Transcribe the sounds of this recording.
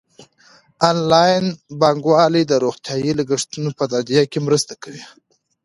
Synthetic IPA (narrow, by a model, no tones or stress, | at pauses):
ɑnlɑjnbɑŋɡwɑlid̪əɾoxt̪jɑjilaɡəʂt̪unopəd̪ad̪ijakemɾəst̪akawi